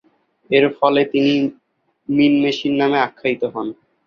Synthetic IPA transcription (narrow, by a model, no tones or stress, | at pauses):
eɾfɔlet̪ini | minmeʃinːameakʰːait̪oɦɔn